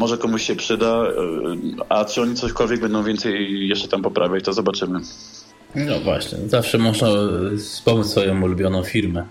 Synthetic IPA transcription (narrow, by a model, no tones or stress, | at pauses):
mɔʐɛkɔmuɕɕɛpʂɘd̪a | at͡ʂɨɔɲit̪sɔɕkɔlvʲjɛɡ̚bɛnd̪ɔ̃w̃vʲjɛnt̪sɛjjɛʂt͡ʂɛ̥t̪ampɔpɾʔavʲjat͡ɕt̪ɔzɔbat͡ʂɘmɘ | nɔvwa̰ɕɲɛ̰zafʂɛmɔʐnaspɔmusfɔjɔ̃w̃ulubʲjɔnɔ̃w̃fʲiɾmɛ